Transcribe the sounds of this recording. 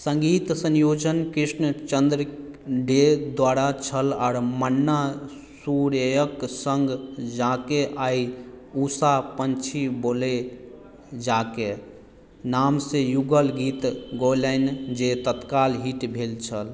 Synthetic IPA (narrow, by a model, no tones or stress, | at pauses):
sə̃ŋɡit̪sə̃njod͡ʒənkɾisnət͡ʃənd̪ɾə | ɖed̪waɾat͡ʃʰəlɔːɾmənːa | suɾejəksəŋɡd͡ʒakeʔai | usapənt͡ʃʰibole | d͡ʒake | namsẽjuɡəlɡit̪ɡolənd͡ʒet̪ət̪kalɦiʈbʱelt͡ʃʰəl